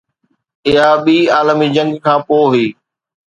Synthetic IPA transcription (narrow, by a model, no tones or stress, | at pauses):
ɪɦaɓiːaːlmid͡ʑɐ̃ŋɡkʰãːpoːɦʊiː